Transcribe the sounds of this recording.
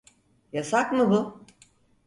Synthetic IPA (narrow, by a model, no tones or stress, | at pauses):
jasakmɯbʊ